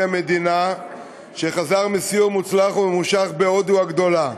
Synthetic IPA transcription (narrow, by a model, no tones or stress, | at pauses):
ame̞d̪ina | ʃe̞χazaʁmisiumut͡slaχuemuʃaχbeod̪uaɡd̪o̞la